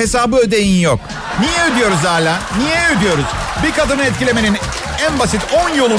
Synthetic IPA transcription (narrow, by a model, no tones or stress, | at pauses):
e̞saːbɯø̞d̪e̞jinjok̚ | nijɛød̪yjo̞ɾuzaːlʲanijɛød̪yjo̞ɾuz̥ | biɾkad̪ɯnɯɛt̪̬̚cilʲe̞me̞nin | ænbasit̪ʰonjolˠu